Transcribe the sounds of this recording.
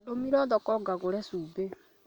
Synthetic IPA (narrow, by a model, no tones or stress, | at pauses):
lomiɾɔðɔkɔɡaɣoɾɛsuːbe